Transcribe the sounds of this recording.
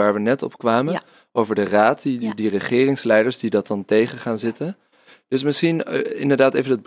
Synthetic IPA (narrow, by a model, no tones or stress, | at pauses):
aːɹʋənɛtɔ̰pkʋaːmə | ʔowvəɹdəraːtidirəχɪːrɪŋslɛjdəɹsdidɑtɑntejχəχaːnzɪtən | d̥ɵsmɪsχinɪndəɹdaːtejvəndɑd̚b